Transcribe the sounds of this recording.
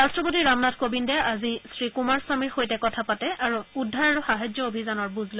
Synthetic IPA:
ɹastɹɔpotiɹamnatʰkobindɛazisɹikumaɹswamiɹxojtɛkɔtʰapatɛaɹuudʱːaɹaɹuxaɦajd͡ʒjɔobʱizanɔɹbuzlo

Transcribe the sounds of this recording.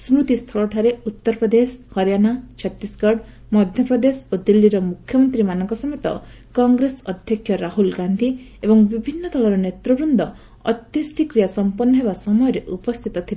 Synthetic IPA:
smɾut̪ist̪ʰɔɭɔʈʰaɾeut̪ːɔɾɔpɾɔd̪eshɔɾjanat͡ʃʰɔt̪ːisɡɔɽ | mɔd̪ʱjɔpɾɔd̪esod̪ilːiɾɔmukʰːjɔmɔnt̪ɾimanɔŋkɔsɔmet̪ɔ̰ | kɔŋɡɾesɔd̪ʱjɔkʰjɔɾaɦulɡand̪ʱi | ebɔŋbibʱinːɔt̪ʰɔlɔɾɔnet̪ɾɔbɾund̪ʱɔ | ɔ̰t̪jɔsʈʰikɾijasɔmpɔnːɔɦebasɔmɔjɔɾeʔupɔst̪ʰit̪ɔt̪ʰile

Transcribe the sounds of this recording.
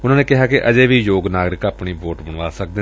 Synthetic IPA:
ʊnãːneːkɪɦaːkeʔəd͡ʒeːʋiːjoːɡnaːɡɾɪkaːpɳiːboːʈbəɳ̃ʋaːsək̚d̪eː

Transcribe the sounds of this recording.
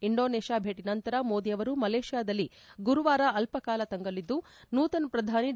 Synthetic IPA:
iɳɖo̞ːneːʂjaːbʱeːʈinɐnt̪ɐɾɐmoːd̪ijɐʋɐɾumɐleːʂijaːd̪ɐlːi | ɡuɾuʋaːɾɐɐlpɐkaːlɐt̪ɐŋɡɐlid̪ːu | nuːt̪ɐnpɾɐd̪ʱaːni

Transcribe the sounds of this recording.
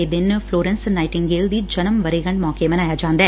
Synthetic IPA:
ed̪ɪnfʰloːɾə̃nsnaːɪʈɪ̃ŋɡɡeːld̪iːd͡ʒənəmʋəɾeːɡə̃ɳɖmɔːkemɐ̃naːjaːd͡ʒãːnd̪aː

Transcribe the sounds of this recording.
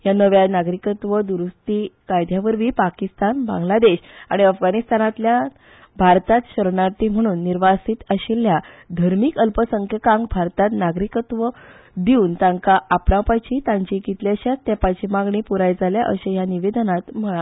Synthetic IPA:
janəʋjanaɡɾikət̪ʋəd̪uɾust̪ikajd̪ʱjaʋəɾʋiːpakist̪anbã̰ŋɡlad̪eɕã̰iəfɡanist̪anat̪lja | bʱaɾt̪at̪ɕəɾɳat̪im̤əɽ̃uːnːiɾʋasiːt̪əɕilja | d̪ʱəɾmiːkəlpəsəŋkʰjəkãŋɡbʱaɾt̪at̪naɡɾikət̪ʋə | d̪iuːnt̪ãŋkaʔapɳãpajt͡ɕit̪ãɲt͡ɕikit̪ljaɕat̪ːjɛpajt͡ɕimaɡɳipuɾajd͡zaljaʔəɕejaniʋed̪nat̪m̤əɭa

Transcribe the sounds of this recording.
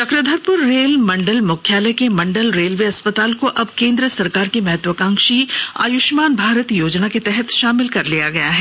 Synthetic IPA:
t͡ʃɐkɾəd̪ʱəɾpʊɾːeːlmɐ̃ɳɖəlmʊkʰjaːlɛkemɐ̃ɳɖəlɾeːlʋeɐspət̪aːlkoʔɐbkẽːnd̪ɾəsɐɾkaːɾkemɛɦɛt̪ʋəkãːŋkʃia̰ːjʊʃmaːnbʱaːɾət̪joːd͡ʒnaket̪ɛɦɛt̪ʃaːmɪlkɐɾlijaɡɐjaɦɛː

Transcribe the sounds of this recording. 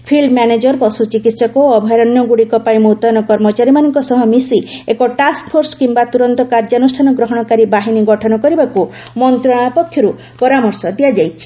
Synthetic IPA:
pʰiɭɖmjaned͡ʒɔɾpɔsut͡ʃikit̪sɔkoɔbʱɔjɾɔnjɔɡuɽikɔpajmot̪ɔnɔkɔɾmɔt͡ʃaɾimanɔŋkɔsɔɦɔmisiekɔʈaskpʰoɾsɔ̥kimbat̪uɾɔnt̪ɔkaɾd͡ʒanusʈʰanɔɡɾɔɦɔɽ̃ɔkaɾibaɦiniɡɔʈʰɔnɔkɔɾibaku | mɔnt̪ɾɔɽ̃apɔkʰːjɔɾu | pɔɾamɔɾsɔd̪iad͡ʒajt͡ʃʰi̥

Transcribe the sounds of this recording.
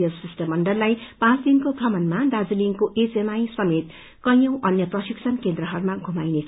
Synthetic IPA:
ʌlsisʈʌmːʌɳɖʌlːajpãt͡sd̪inkokʰʌmʌnmadad͡ziliŋkoʔet͡semajsʌmet̪ | kʌjjʌw̃ʔʌnjʌprʌsiksʰʌnkend̪rʌɦʌɾumaɡʱumajnet͡sʰ

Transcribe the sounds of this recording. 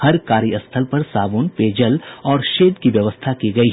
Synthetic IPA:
hɐɾkaːɾiəst̪ʰəlpɐɾsaːboːnpeːd͡ʒəlɔːɾʃeːd̪kiʋjɐʋəst̪ʰakiɡɐiɦ

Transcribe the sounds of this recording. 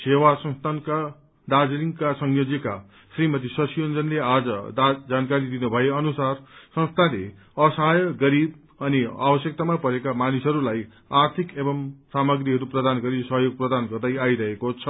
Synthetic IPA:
sewasʌ̃st̪ʰanka | d̪ad͡zliŋkasʌŋjod͡zeka̰ | srimʌt̪̬isʌsijʌnd͡zʌnlead͡zʌ̰d͡zankaɾid̪inubʱʌeʌnusarsʌ̃st̪ʰale | ʌsʌɦajʌɡʌɾib̚ | ʌnia̰bʌsjʌk̚t̪amapʌɾekamanisɦʌɾulaj | art̪ʰikebʌmsamʌɡɾiɦʌɾuprʌd̪anɡʌɾisʌɦjoɡ̚prʌd̪anɡʌrd̪ajaiɾʌɦekot͡sʰʌ

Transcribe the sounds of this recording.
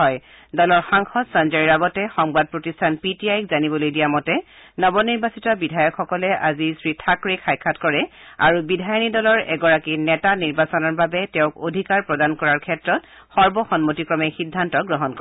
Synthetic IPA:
ɔj | dɔlɔɹxaŋxɔdsanzɔɹiɹaɡɔtɛxɔŋbad̚pɹotistʰanpitiajkzanibɔlojdijamɔtɛnɔbɔniɹbasitɔbidʱajɔkxɔkɔlɛʔazisɹitʰakɹikʰajkʰːatkɔɹɛa̰ɹubidʱajɔnidɔlɔɹɛɡɔɹakinɛtaniɹbasɔnɔɹbabɛtɛʊ̃kodʱikaɹpɹɔdankɔɹaɹkʰɛtɹɔt̚ | xɔɹbɔxɔnmotikɹɔmɛxidʱːantɔɡɹɔɦɔnkɔɛ

